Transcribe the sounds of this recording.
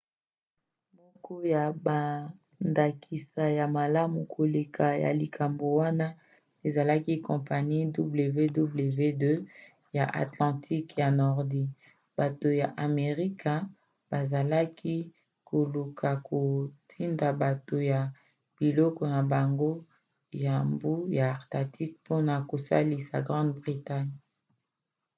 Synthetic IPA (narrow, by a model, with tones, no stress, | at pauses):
mɔ˦kɔ˦ja˨ba˨ | nda˨kʰi˨sa˨ja˨ma˨la˦mu˨kʰo˨le˨kʰa˨ja̰˨li˨kʰa˨mbo˨wa˦na˦ | e˨za˨la˦ki˦kɔ̃˨pa˨ni˦du˦ble˨ve˦du˦ble˨ve˦dø˦ | ja˨ʔa̰˨tlɑ̃˨tʰi˦kja˨nɔ˨ʁdi˦ | ba˨to˨ja˨ʔa˨me˨ʁi˦ka˨ | ba˨za˨la˦kʰi˦ | ko˨lu˨kʰa˨ko˨tʰi˦nda˨ba˨to˨ja˨ | b̥i˨lɔ˦kɔ˨na˨ba˨ŋɡo˦ | ja˨mbu˦ja˨ʁta˨ti˦k̚pʰo˦na˨ko˨sa̰˦li˨sa̰˨ɡʁɑ̃˦dbʁi˨ta˦ɲ